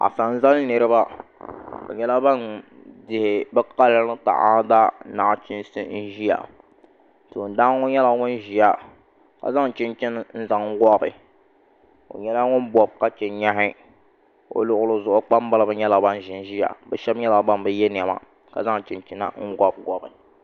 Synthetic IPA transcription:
a̰˨sa˨n˦za˦lnɨ˨ɾɨ˦ba˦ | bɛ̰˨ɲɛ˦la˦ba˦n | dɪ˨hɪ˨bɛ˦ka˦lɨ˦lɨ˦ta̰˨ʔa̰˦da˦na˨ʔt͡ʃɪ˦n˦sɨ˦n̩˦ʒi˦ja̰˨ | tu˨n˨daː˦ŋo˦ɲɛ˦la˦ŋʊ˦nʒi˨ja˦˨ | ka̰˨za˦ŋ˨t͡ʃɪ˦nt͡ʃɪ˦n˦n̩˦za˨ŋ˦ɡɔ˦bɨ˨ | o̰˨ɲɛ˦la˦ŋʊ˦nbɔ˨b̚ka˦t͡ʃɛ˨ɲa˦ɦɪ˦ | o̰˨lʊ˦ʔʊ˦lʊ˨zʊ˨ʔʊ˦k͡pa˦m˦ba˦la˦bɨ˦ɲɛ˦la˨ba˦n̩˦ʒɪ˨n˦ʒi˦a̰˨bɛ˦ʃɛ˦bɲɛ˦la˨ba˦nbɨ˦jɛ˦n˨ɛ˨ma̰˦ | ka̰˨za˦ŋ˨t͡ʃɪ˨nt͡ʃɪ˦na̰˦ŋ̩˦ɡɔ˦b̚ɡɔ˨bɨ̰˨

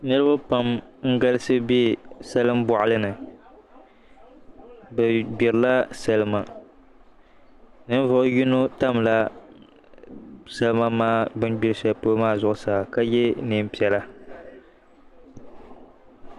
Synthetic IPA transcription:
nɨ˦ɾɨ˦ba˦pa˨mŋ̩˦ɡa˦lɨ˦sɨ˦bi˦sa˦lɨ˦mbʊ˨ʔa˨lɨ˦nɨ˨ | bɨ˨bi˨ɾla˦sa˨lɨ˦ma˨ | nɨ˦n˦vʊ˦ʔʊ˦ju˦no˦ta˦mla˦ | sa˦lɨ˦ma˦maː˦bɨ˦nɡ͡bi˦ɾɨ˦sa˨po˦maː˦˨zʊ˨ʔʊ˦saː˨ka˦jɛ˦nɨ˨m˦pi˨ɛ˨la˦

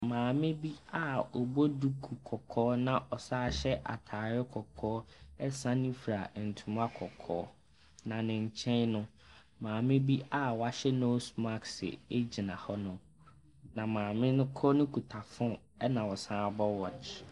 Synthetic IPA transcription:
mãː˨mɪ̃˦bi˦a˦ɔ˨bo˦du˦kʰu˨kʰɔ˨kʰɔː˦nã˨ʔɔ˨saː˦ɕɛ˦ʔa̰˨tʰaː˨ɾɪ˦kʰɔ˨kʰɔː˦ɛ˦sã˦nĩ˦fɾa˨n̩˨tʰu˨m˦a˦kʰɔ˨kʰɔ̰ː˨˦ | nã˨nɪ̃˨ɲ˨t͡ɕʰɛ̃˦nnʊ̃˦ | mãː˨mɪ̃˦bi˦a˦wɔ˨˦a˦ɕɛ˦nõ˦sma˦ksɛ̰˨e˦d͡ʑi˨nã˨hɔ˦nʊ̃˨ | nã˨mãː˨mɪ̃˦nʊ̃˦kʰɔ˦nʊ̃˦kʰu˨tʰa˨fʊ̃˦ | ɛ˦nã˨wɔ˨sã˦a˨bɔ˦wɔ˨t͡ʃ

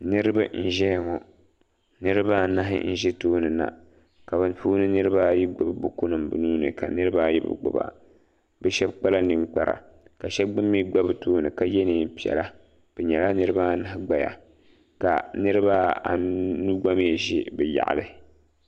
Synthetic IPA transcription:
nɨ˦ɾɨ˦ba˦n̩˦ʒɛ˦jŋɔ˨ | nɨ˦ɾɨ˦ba˦na˦ɦɪ̰˦n̩˦ʒi˦toː˦nɨ˨na̰˨ | ka˨bɨ˦npuː˦nɨ˦nɨ˦ɾɨ˦ba˦ji˦ɡ͡bɨ˦bɨ˦bu˨ku˦nɨ˨mbɨ̰˨nuː˦nɨ˨ka˨nɨ˦ɾɨ˦ba˦ji˦bɨ̰˨ɡ͡bʊ̰˨ba̰˨ | bɛ˦ʃɛ˦bk͡pa˦la˦nɨ˦ŋk͡pa˨ɾa̰˨ka˨ʃɛ˦b̚ɡ͡bɨ˦mːi˦ɡ͡ba˦bɨ˨toː˦nɨ˨ka˦jɛ˦nɨ˨m˦pi˨ɛ̰˨la˦ | b̥ɛ˨ɲɛ˨la˦nɨ˦ɾɨ˦ba˦na˦hɪ˦ɡ͡ba˨ja̰˨ | ka̰˨nɨ˦ɾɨ˦ba˦a̰˨nu˦ɡ͡ba˦me˦˨ʒi˦bɨ˨ja̰˨ʔlɨ˦

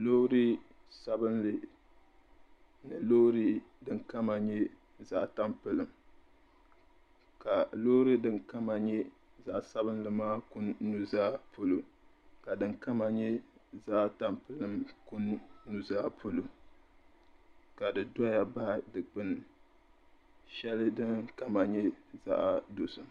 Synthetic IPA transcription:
lo˦ɾi˦ | sa˦bɨ˦nlɨ˨ | nɨ˨lo˦ɾɨ˦ | dɨ˦ŋka˦ma˨ɲɛ˦ | za˦ʔta˦mpɨ˨lɨ˨m | ka˨lo˦ɾɨ˦dɨ˦ŋka˦ma˨ɲɛ˦ | za˦˨ʔsa˦bɨ˦nlɨ˨maː˦ku˦nːu˦zaː˦pʰo˦lu˨ | ka˨dɨ˦ŋka˦ma˨ɲɛ˦za˦ʔta˨mpɨ˦lɨ˦mku˦nːu˦zaː˦pʰo˦lu˨ | ka˨dɨ˨dɔ˦ja˨ba˦˨dɨ˨k͡pɨ˦nɨ˨ | ʃɛ˦lɨ˦dɨ˦nka˦ma˨ɲɛ˦za̰˦ʔdo˨sɨ˨m

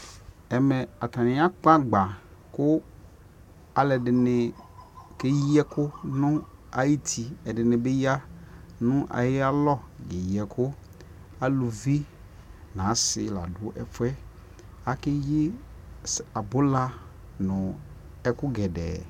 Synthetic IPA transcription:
ɛ˨mɛ˨a˨t̪a˨nɪ̃˨˦a˦k͡pa˦ɡ͡ba˨kʊ˦ | a˨lɛ˨dɪ˨nɪ˨ | ke˦ji˦ɛ˦kʊ˦nʊ̃˦a˨ji˦t̪ʰi˨ɛ˨dɪ˨nɪ˨bɪ˦ji˦a˦ | nʊ̃˦ʔa̰˨jɪ˦a˦lɔ˦˨ɡɪ˨ji˨ɛ˨kʰʊ˦ | a˨lu˨vi˦ | nã˨˦sɪ̰˨la̰˨dʊ˨˦ʔɛ˨fɛ˦ | a˨kɪ˦ji˦ | a˨bʊ˦la˦ | nʊ̃˨ | ɛ˨kʊ˦ɡɛ˨dɛ̰ː˨

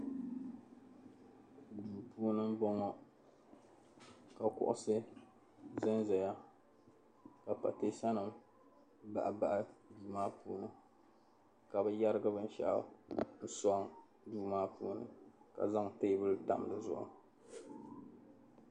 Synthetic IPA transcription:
duː˨puː˦nɨ˦mbɔ˦ŋɔ˦ | ka˨kʊ̰˨ʔʊ̰˦sɨ˦ | zɨ˦nzɛ˨ja˦ | ka˨pa̰˨te˦sa˦nɨ˨m | ba̰˨ʔa˨ba˨ʔa˦duː˦maː˦pṵː˦nɨ˦ | ka˨bɨ˦ja˦ɾɨ˦ɡa˦bɨ˦n̩˦ʃɛ̰˦ʔa̰˦n̩˦sɔ˦ŋ | duː˦maː˦puː˦nɨ̰˨˦ka̰˨za˦ŋte˦bɨ˦lta̰˨mlɨ˨zʊ˨ʔʊ̰˨

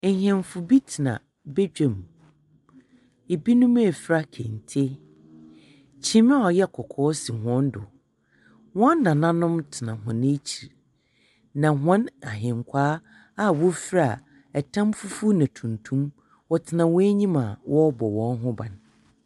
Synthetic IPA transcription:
ŋ̩˨hɪ̃˨mfʊ˨bi˦tʰɪ˨nã̰˨ | be˦d͡ʑᶣɛ˨m˨ | e˨bi˦nũ˦m˦ɛ˨fɾa˦kʰẽ˨n˨tʰe˦ | t͡ɕʰi˦m̃˦ɔ˨jɛ˦˨kʰɔ˨kʰɔː˦si˨hɔ̃˦ndʊ̰˨ | wɔ̃˦nː˦ã˨nã˦nʊ̃˦mtʰɪ˨nã˨ɦʊ̃˨ne˦t͡ɕʰi˨ɾ | nã˨ɦã˦na˨ɦɪ̃˨ŋkʷʰaː˦ | a˨wɔ˦fɪ˦ɾa˨ | ɛ˨tʰã˦mfu˦fu˦nã˨tʰũ˨ntʰũ˦m | wɔ˨tʰɪ˨nã˨wɔ̃˦e˦ɲĩ˦mã˨wɔ˦bɔ˨wɔ̃˦nɦʊ̃˦bã̰˨n

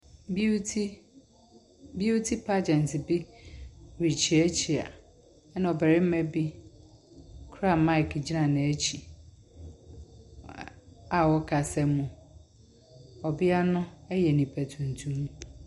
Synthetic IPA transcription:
bi˦ | bi˦u˦tʰi˦pʰa˦d͡ʑɛ̃˨n˨tʰɪ˨bi˦ | ɾi˨t͡ɕʰi˨æ˦t͡ɕʰi˨a̰˨˦ | ñ˨ɔ˨bɛ˨ɾɪ˦m̩˦mɛ̃˦bi˦ | kʰʊ˦ɾa˦˨mã˦ɪ˨kʰd͡ʑi˦nã˨nɪ̃˨æ˦t͡ɕʰi˨ | a˨wɔ˦kʰa˨sɛː˦ũ˨ | ɔ˨bɪ˦a˦nʊ̃˦ɛ˦jɛ˨nĩ˨pʰæ˨tʰũ˨n˨tʰũ˦m˦

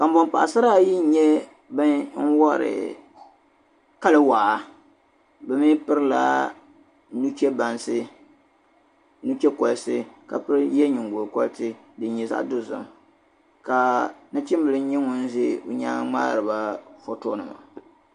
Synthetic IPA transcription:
ka˨m̩˦bo˨mpa̰˨ʔa˨sa˦ɾa˦˨˦ji˦ɲɛ˦ | bɨ˦n̩˦wɔ˦˨ɾɪ̰˨ | ka˦lɨ˦waː˨a˦ | bɛ˨mi˦pɨ˦ɾla̰˨˦ | nu˦t͡ʃɛ˦ba˨nsɨ˦ | nu˦t͡ʃɛ˦kɔ˨lsɨ˦ka̰˨pɨ˦ɾjɛ˦ɲɪ˨ŋɡo˨lkɔ˦ltɨ˦ | dɨ˨ɲɛ˨za̰˦ʔdʊ˦zʊ̰˨m | ka˨nɨ˦t͡ʃɪ˦mbɨ˨lɨ˦ɲɛ˦ŋʊ˦n̩˦ze˦ʊ̰˨ɲaː˦ŋ͡ma̰ː˦ɾɨ˨ba˦fo˦to̰˦nɨ˨ma̰˨

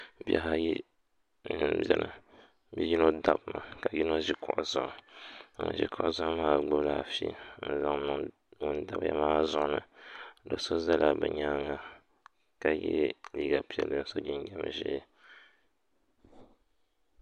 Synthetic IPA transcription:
bi˦a̰˨ɦa˨ji˦ | n̩˨˦nɨ˨n˨bʲɛ˦lʔɨ˨˦ | bi˦ji˦no˦da˦bɨ˨ma˨ka˨ji˦no˦ʒi˦kʰɔ˨ʔʊ˨zʊ˨ʔ | ʒḭ˦kʰɔ˨ʔʊ˨zʊ˦maː˦˨ɡ͡bo˦blaː˨fḭ˦˨n̩˨za˦ŋnɨ˨ŋ | wʊ˦n˦da˦bja̰˦maː˦zʊ˦ʔʊ˦nɨ˨dɨ˨so˦za˦la˨bɨ̰˨ɲaː˦ŋa˨ | ka˨jɛ̰˦liː˦ɡa˨pi˨ɛ˨lɨ˦˨n̩˦so˦d͡ʒi˦n˦ɡɛ˦mɨ˨ʒɛ̰˦˨

